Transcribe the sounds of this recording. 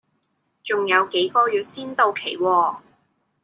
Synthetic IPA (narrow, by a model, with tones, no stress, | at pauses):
t͡sʊ˨ŋjɐ˨˧wke˨˥jkɔː˧jyː˨t̚siː˥nt̪o˧wkʰe˨˩jwɔː˧